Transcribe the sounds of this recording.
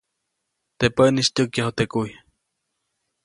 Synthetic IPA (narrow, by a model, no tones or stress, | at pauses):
t̪epəʔnist̪ukjahot̪ekuj